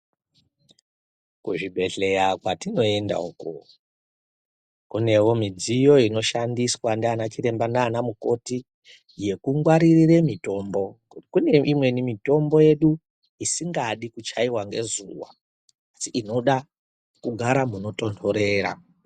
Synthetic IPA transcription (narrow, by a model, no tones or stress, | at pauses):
kuʐibʱe̞ɬe̞jakwatino̞e̞nda̰uku | kune̞womid͡zijo̞ino̞ʃandiswandanat͡ʃiɾe̞mbandaːnamuko̞ti | je̞kuŋɡwaɾirire̞mito̞ːmbo̞ | kuneimwe̞nimito̞mbo̞je̞ɗu | isiŋɡaɗikut͡ʃaiwaŋɡe̞zuwa̰ː | siʔino̞ɗa | kuɡʱaɾamuno̞to̞ntʰo̞ɾe̞ːɾa̰